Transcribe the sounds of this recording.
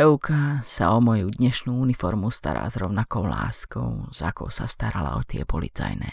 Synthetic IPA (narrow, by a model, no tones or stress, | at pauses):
ɛukasaɔmɔjud̪ɲɛʃnuːunifɔɾmust̪aɾaːzɾɔʊnakɔʊlaːskɔʊz̥akɔʊsast̪aɾala̰ɔt̪ɪɛpɔlit͡sajnɛ